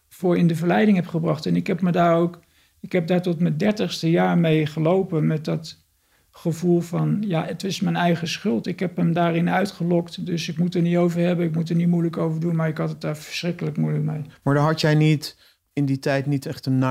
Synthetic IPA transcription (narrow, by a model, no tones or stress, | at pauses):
v̥ʊːɹɪndəvəɹlɛjdɪŋɦɛpχəbrɑχtɛnɪkɦɛpmədaːɹowk | ɪkɦɛp̚daːɹtɔtməndɛɹtəχstəjaːɹmejχəlowpənmɛt̚dɑt | χəvulˠvɑnjaːətɪsmɛjnɛjχəsχɵlˠtɪkɦɛpəmdaːɹɪnœɥtχəlɔktdɵsɪkmutənitowvəɹɦɛbənɪkmutəɹnitmujləkowvəɹdunmaːɹɪkɦɑtət̚daːɹvə̥ɹsrɪkələkmujləkmejmaːɹdaɦɑtjɛjnit | ɪnditɛjtnitɛχtənna